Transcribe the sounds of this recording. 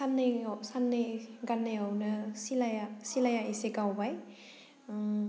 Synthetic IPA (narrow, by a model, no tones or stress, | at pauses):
sanːɯjsanːɯjɡanːajawnɯsilajasilajaʔiseɡawbaj